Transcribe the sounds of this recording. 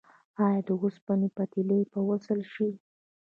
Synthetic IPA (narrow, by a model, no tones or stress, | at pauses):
ɑjɑd̪əɣuspanipat̪ilejpəwəsəlʃi